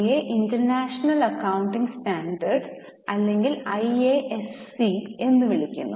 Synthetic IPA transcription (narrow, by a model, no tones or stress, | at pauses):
eʔintɐrnaːʂɐnɐlɐkːɐwuɳʈiŋɡstaːnɖɐrɖ | ɐlːe̞ŋɡilɐjeʔesie̞nːɨʋiɭikʲːṵnːu